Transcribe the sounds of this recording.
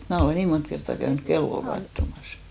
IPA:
et mæː oleˑ niː mont kertːɑˑ kæynyk kelːo kɑtːomɑs

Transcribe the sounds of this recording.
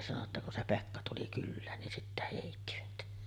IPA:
sɑno tːɑ kun se pekːɑ tuli kylːæːn nin sitːæ heˑitːiʋæt

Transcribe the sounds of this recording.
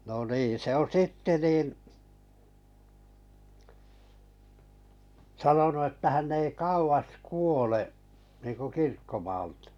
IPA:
no niːn̞ se õː sitːe nin sɑnonu etːæ hænː ei kɑuʋɑs kuoleʔ niːŋku kirkːomɑːl̥tɑ̥

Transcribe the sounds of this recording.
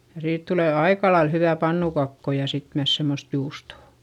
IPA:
jɑ siːt tuleˑ ɑikɑlɑil hyʋæˑ pɑnːukɑkːo jɑ sit myæs semːost juːstoˑ

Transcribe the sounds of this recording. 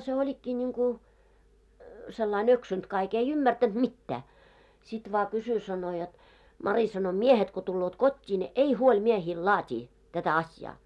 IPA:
se olʲikːiː nʲiŋku selːɑin øksynt kɑik ei ymːærtænt mitːæː sit ʋɑː kysy sɑno jot mɑri sɑno miehet ko tulːoːt kotʲːiː ne ei huolʲ miehiːl lɑːtʲiː tætæ ɑsjɑː

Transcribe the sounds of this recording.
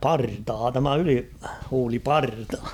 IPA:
pɑrtɑː tæmæ ylihuːlipɑrtɑ

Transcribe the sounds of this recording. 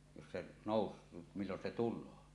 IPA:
jos se noˑus milːon se tulˑoː

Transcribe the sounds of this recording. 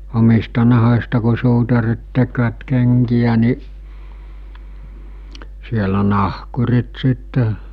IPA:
omistɑ nɑho̟stɑ ku suːtɑrit tekʋæt keŋkijæ ni sielæ nɑhkurit sitːe

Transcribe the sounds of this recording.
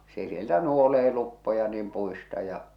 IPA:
se sieltæ nuoleː lupːojɑ niːm puistɑ jɑ

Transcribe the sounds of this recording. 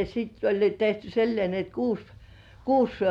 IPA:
sitː olʲ jo tehty silːĭeˑ ni et kuːs kuːs

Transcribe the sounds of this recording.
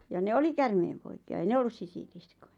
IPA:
jɑ ne oli kærmeːmpoikiɑ ei ne olːus sisilisko̥j̊ɑ̥

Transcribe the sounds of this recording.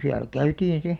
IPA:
siæl kæytiːn̞ si

